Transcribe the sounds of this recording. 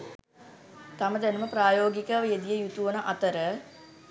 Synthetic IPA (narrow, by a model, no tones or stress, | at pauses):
t̪aməd̪ænuməpɾaːjoːɡikəʋjed̪ijəjut̪uʋənəʔat̪əɾə